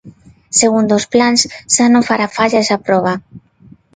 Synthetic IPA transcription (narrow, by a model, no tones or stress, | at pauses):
seɣund̪osplanssanofaɾafaʎazapɾɔβ̞a